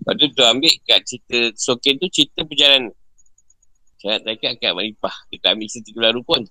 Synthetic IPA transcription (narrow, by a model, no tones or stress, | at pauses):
ba̰dut̪oambɪʔkaʔ̚t͡ʃit̪əsokɛnt̪ut͡ʃit̪əpəd͡ʒalan | t͡ʃaaʔt̪akaʔkaʔmalipahdəkaʔambɪʔt͡ʃisit̪əkəblaɾukuan